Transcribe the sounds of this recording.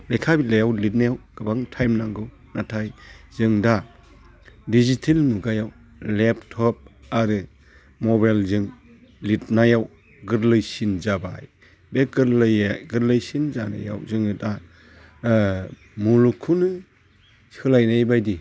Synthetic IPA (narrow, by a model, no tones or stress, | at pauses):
lekʰabilajawlit̚najawɡ̥ɯbaŋtʰajmnaŋɡɯw | natʰajz̥ɯŋda | dizitʰelmuɡajaw | leptʰːɔp̚aɾɯ | mɔbajlzɯŋ | lit̚najaw | ɡɯɾlɯjsinzabaj | beɡɯɾlɯjaɡɯɾlɯjsinzana̰ja̰wzɯŋɯta | mulukʰunɯ | sɯlajnajbajdi